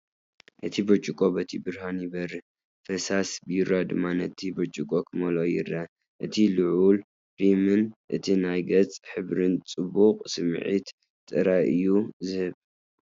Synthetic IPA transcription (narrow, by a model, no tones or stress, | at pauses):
ʔɨt̪ʰibɐt͡ʃʼukʼo̞bɐt̪ʰibɨɾhanjɪbɐɾɨ | fɐsasbɨjɪɾːad̪ɨmːanɐt̪ʰibɐt͡ʃʼukʼokʰɨmɐlojɪ̰ɾɐ | ʔɨt̪ʰilɨʕul | b̥imɨnʔɨt̪ʰinajɡɐt͡sʼħɨβɾɨnt͡sʼɨbuqʼsɨmʕḭt̪ | t̪ʼːɨɾajɨjːuzɨhɨβ